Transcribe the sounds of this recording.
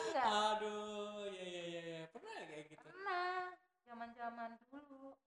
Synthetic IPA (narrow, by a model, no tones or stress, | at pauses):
ŋɡaadojajajajapərnaɡaɡitpəurnah | d͡ʒamand͡ʒamandulu